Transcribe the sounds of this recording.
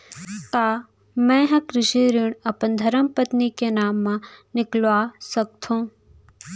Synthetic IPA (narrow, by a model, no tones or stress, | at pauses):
t̪aː | mɛ̃ɦɐ̃kɾɪʃiɾiɳɐpənd̪ʱɐɾəmpət̪nikenaːmːãnɪklʋaːsɐk̚t̪ʰũː